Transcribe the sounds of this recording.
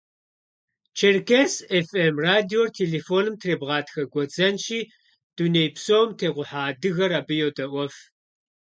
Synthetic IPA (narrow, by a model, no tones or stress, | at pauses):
t͡ʃʰerkʰesefemraːdiortʰeːleːfoːnɨmtʰreːbʁɑːtʰxɐɡʷɔd͡zɐnʃiː | d̥unejpʰsowmtʰeːqʷʊħaːdɨɣɐraːbɨjowtʼɐʔʷɔf